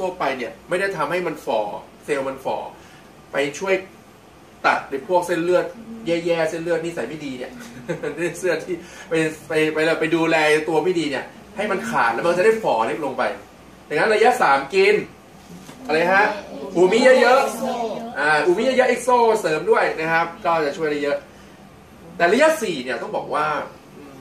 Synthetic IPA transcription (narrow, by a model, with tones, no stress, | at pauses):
t̪ʰəpa˧jni˥˩ɐma˥˩jda˥˩jt̪ʰa˧mha˥˩jma˧nfɔː˩˦ | seː˧wma˧nfɔ̰ː˩˦ | pa˧jt͡ɕʰu˥˩əj | t̪a˨˩t̪̚lɯː˧˦˩pʰu˥˩ək̚se˥˩nlɯ˥˩ət̪̚jɛː˦˥˩jɛː˥˩se˥˩nlɯ˥˩ət̪̚niː˥˩sa˨˦jma˥˩diː˧ni˥˩ɐnː˥˩sɯ˥˩ɐt̪ʰiː˥˩pa˧jpa˧jpa˧jlaː˨˩pa˧jduː˧lɛː˧t̪u˧ɐma˥˩diː˧ni˥˩ə | ha˥˩jma˧nkʰa̰ː˨˩t̪̚lɛ˦˥ma˧nt͡ɕa˨˩da˥˩jfɔː˩˦le˦˥k̚lo˧ŋpa̰˧j | ja˨˩ŋna˦˥nɾa˧ja˦˥saː˩˦mki˧n | ʔa˧ɾa˧jkʰa˦˥ʔʔuː˨˩˦miː˦˥jɤ˦˥ʔjɤ˦˥ʔʔaː˧˩ʔuː˨˩miː˦˥ja˧˥ja˦˥ʔe˦˥k̚soː˥˩sɤː˩˦mdu˥˩əjna˦˥kʰa˦˥p̚kɔː˥˩t͡ɕa˨˩t͡ɕʰu˥˩əjɾa˧˩jɤ˦˥ʔ | t̪ɛː˨˩ɾa˧˥ja˦˥ʔsiː˨˩ni˦˩ɐt̪ɔ˥˩ŋbɔː˨˩k̚waː˥˩